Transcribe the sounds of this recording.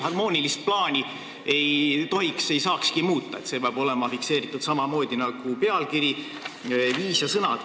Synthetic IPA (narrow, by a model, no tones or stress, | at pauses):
ɦɑrmo̞ːnʲilist̪̚plɑːnʲi | e̞jt̪o̞ɦikse̞jsɑːkskimuːt̪ˑːɑe̞t̪se̞peɑb̥o̞le̞mɑfikse̞ːɾit̪ːˑud̪̥sɑmɑmo̞ːd̪̥ʲinɑɡ̥upe̞ɑlkiɾi | viːsjɑsɤnɑd̪̥